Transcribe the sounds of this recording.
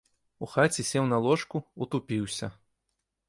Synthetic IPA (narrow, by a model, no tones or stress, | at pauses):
uxat͡sʲisʲɛwnɐlˠɔʂkuut̪upʲiwsʲɐ